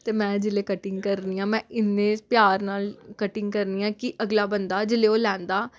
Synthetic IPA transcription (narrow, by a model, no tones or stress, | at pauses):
t̪eːmɛ̃ːd͡ʒɪleːkəʈɪŋɡkəɾniːãːmɛ̃ːɪnːẽːpjaːɾnaːlkəʈɪ̃ŋɡkəɾniːãːkɪʔəɡlaːbənd̪aːd͡ʒɪleːoːlɛ̃ːnd̪aː